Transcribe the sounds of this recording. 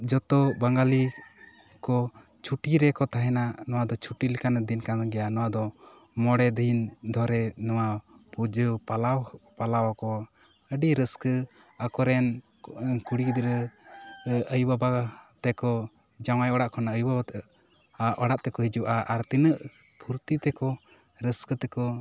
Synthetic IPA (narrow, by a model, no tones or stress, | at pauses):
d͡ʒɔt̪ɔbaŋɡali | kɔ | t͡ʃʰuʈiɾɛkɔt̪aɦɛnanɔwad̪ɔt͡ʃʰuʈilikanad̪inkanɡɛjanɔwad̪ɔ | mɔɽɛd̪ind̪ʱɔɾɛnɔwapud͡ʒəpalapalawakɔ | əɖiɾəskə | akɔɾɛn | kuɽid̪ɾə | əjbabat̪ɛkɔ | d͡ʒaw̃ajɔɽaʔkʰɔnaəjubabat̪ | aʔɔɽaʔt̪ɛkɔɦid͡ʒuʔaʔːɾt̪inəʔ | pʰuɾt̪it̪ɛkɔ | ɾəskət̪ɛkɔ